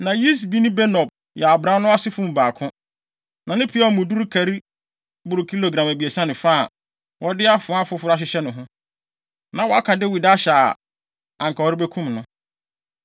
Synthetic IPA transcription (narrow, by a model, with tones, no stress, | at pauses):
nã˨ji˦s̬bi˦nʊ̃˦bɛ˦nɔ˨b̚ | jɛ˨a˨bɾã˦nʊ̃˦a˦sɪ˦fʊ̃˦m̩˨baː˨kʰʊ̃˦ | nã˨nɪ̃˦pʰi˨˦ɔ˦˨mũ˨du˦ɾkʰæ˨ɾi˦ | bʊ˨ɾʊ˨kʰi˦lo˨ɡɾã˨mæ˨bi˨e˨sã˦nɪ̃˨fa˦˨ | wɔ˦dɪ˦a˦fʊ̃˨˦a˦fʊ˦fʊ˦ɾa˦ɕ̬ɪ˦ɕɛ˦nʊ̃˨ɦʊ̃˦ | nã˨wɔ˨a˦kʰã˨dɪ˦wi˨da˦ɕɛ˨a˨ | ã˨ŋ˨kʰa˨wɔ˦ɾɪ˦be˦kʰũ˦mnʊ̃˦